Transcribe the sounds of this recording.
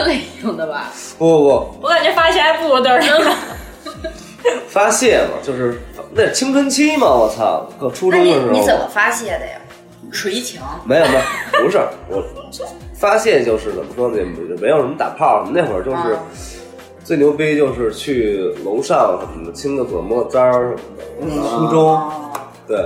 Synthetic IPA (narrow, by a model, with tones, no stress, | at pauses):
le˧˩jʊ˥˩ŋd̪ə˨˩bɐ̰˧ | ɔ˥˩ɔ˥˩pu˥˧ka˨˩nt͡ɕʰɛ˥˩fa˥i˧˥˩a˥ɪpu˥˩wɔ˧˥˩t̪ə˥˨˩ʂə˥ŋ˧ | fa˥ɕjɛ˥˩nlɐ̰˨˩t͡ɕjo˥˧ʊʂɻ̩˥˩˧na˥˩˥t͡ɕʰi˥ŋt͡sʰwə˥nt͡ɕʰi˥mɐ˨wɔ˨˩t͡sʰa̰˥˧kʰɤ˥˧˩ʈ͡ʂʰu˥ʈ͡ʂʊ˥ŋd̪ə˨ʂɻ̩˧˥i˧˥˧ə˨˩mə˦fa˥ɕjɛ˥˩d̪ə̰˩ɪa̰˩ | ʂu˨˧˩i˥˩t͡ɕʰjɑ˧˥ʊme˧˥ɪjo˨˩ʊmɐ˧˦u˧˥ʂə˥˨˩wɔ̰˨˩˦ | fa˥ɕjɛ˥˧nt͡ɕjo˥˧ʊʂɻ̩˥˩t͡sə˨˩mə˦ʈ͡ʂwɑ˥ŋt͡ɕjɛ˥˩pu˧˩˥ə˩me˧˥jo˨˩ʊʂə˧˥mə˥t̪a̰˨˩pʰɑ˥˩ʊʂə˧˩mə˦ne˥˩wə̰˞˧˩˥t͡ɕjo˥˧ʊʂɻ̩˥˩ | t͡swe˥˩njo˧˥ʊpe˥ɪt͡ɕjo˥˧ʊʂɻ̩˥˧t͡ɕʰy˥˩lʊ˧˥ʊʂɑ˥˩ŋʂə˧˥mə˧˩d̪ə˧˩t͡ɕʰi˥ŋd̪ə˨kɔ̰˨˩mɔ˥˩t͡sa˥ʂə˥˩mə˧˩d̪ə̰˩u˥ʈ͡ʂʊ˥ŋ | t̪we˥˩ɪ